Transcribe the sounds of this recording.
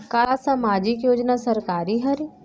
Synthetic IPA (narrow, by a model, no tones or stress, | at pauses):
kasamaːd͡ʒɪkjoːd͡ʒnasɐɾkaːɾiɦɐɾi